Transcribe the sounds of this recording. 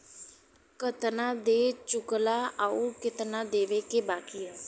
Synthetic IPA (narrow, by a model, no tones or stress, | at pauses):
kət̪nãːd̪eːt͡ʃʊklaːʔaːuːkɪt̪nãːd̪eːʋeːkeːbaːkiːaː